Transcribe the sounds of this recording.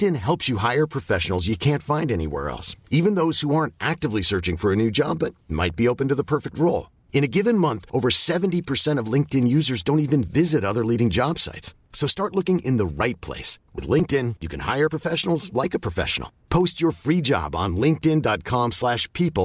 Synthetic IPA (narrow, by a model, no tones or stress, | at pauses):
tɨ̃nɦɛlˠpsjɨɦaɪə˞pʰɹ̥ɨfɛʃnl̩ˠzjɨkʰæ̃ntfãɪ̃ndɛñḭwɛ̰ɹɛ̰lˠsivɨ̃nðoʊz̥huɑɹntʔæk̚tɨvlisɜ˞t͡ʃɪ̃ŋfə˞ɨnʉd͡ʒɑ̰bʌt̚ma̰ɪt̚b̥ioʊpɨ̃n̩tɨðəpʰɜ˞fɨk̚t̚ɹoʊlˠ | ɨ̃ñɨɡɪvɨ̃nmʌ̃nθʔoʊvə˞sɛvntipʰə˞sɛ̃ɾ̃ʌvlɪ̃ŋk̚tɨ̃njʉzə˞zdõʊ̃ntivɨ̃nvɪzɨɾʌðə˞liɾɪ̃ŋd͡ʒɑb̥sa̰ɪts | soʊstɑɹtˡlʊkɪ̃ŋʔɨ̃nðəɹaɪt̚pʰl̥ḛɪswɨ̰ð̥lɪ̃ŋk̚tɪ̃njɨkʰɨ̃nha̰ɪə˞pʰɹ̥əfɛʃn̩l̩ˠzlaɪkɨpʰɹ̥ɨfɛ̰ʃn̩l̩ˠpʰoʊst͡ʃə˞fɹid͡ʒɑ̰b̃n̩lɪ̃ŋk̚tɪ̃ndɑt̚kʰɑ̃mslæʃpʰipl̩ˠ